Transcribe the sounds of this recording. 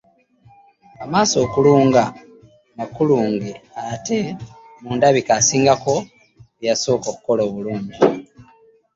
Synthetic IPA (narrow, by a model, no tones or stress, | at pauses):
amaːso̞ːkuluːŋɡa | makuluːŋɡeate̞ | muːndaβikasiːŋɡako̞ | jaso̞ːkoku̥ko̞loːβuluːɲɟi